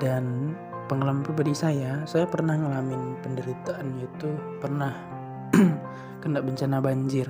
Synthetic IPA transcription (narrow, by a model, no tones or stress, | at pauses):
dan | pəŋələmpəbadisajasajapərnahŋəlamɪnpəndəɾit̪aːnɲat̪upərnah | kəndaʔ̚bəɲt͡ʃanabaɲd͡ʒɪr